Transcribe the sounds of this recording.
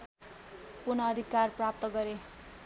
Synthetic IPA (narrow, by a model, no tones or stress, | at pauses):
purnʌːd̪ʱikːarprap̚t̪ʌɡʌɾe